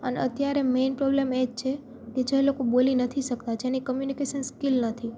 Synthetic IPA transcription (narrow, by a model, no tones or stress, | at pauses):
əneət̪jaɾemenpɾɔblemed͡ʒt͡ʃʰe | ked͡ʒelokobolinət̪ʰiʃəkt̪ad͡ʒʰenikəmjunikeʃənskilnət̪ʰi